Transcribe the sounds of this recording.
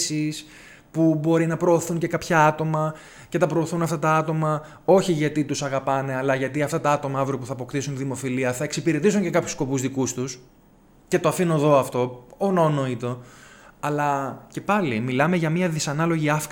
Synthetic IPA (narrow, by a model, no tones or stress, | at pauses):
sis | pubo̞ɾinɐpɾo̞ːθunce̞kɐpçɐɐt̪o̞mɐ | ce̞t̪ɐpɾo̞ːθunɐft̪ɐt̪ɐɐt̪o̞mɐ | o̞çiʝɐt̪it̪usɐɣɐpɐne̞ɐlɐʝɐt̪iɐft̪ɐt̪ɐɐt̪o̞mɐɐvɾiop̬uθɐːpo̞kt̪isunt̪iðimo̞filiɐθɐeksipiɾe̞t̪isuɲce̞kɐpçu̥sko̞puzðikust̪us | ce̞t̪o̞ɐfino̞ðo̞ɐft̪o̞onɐono̞it̪o̞ɐlɐce̞pɐlimilɐme̞ʝɐmiɐðisɐnɐlo̞ʝiɐfk